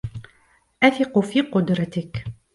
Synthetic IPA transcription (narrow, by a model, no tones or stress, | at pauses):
ʔaθɪqufiːqʊd̪ɾˤɑt̪ɪk